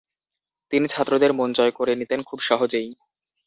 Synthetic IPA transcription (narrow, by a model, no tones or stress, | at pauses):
t̪init͡ɕʰat̪ːɾod̪eɾmond͡ʑɔekoɾenit̪enkʰubʃɔɦod͡ʑej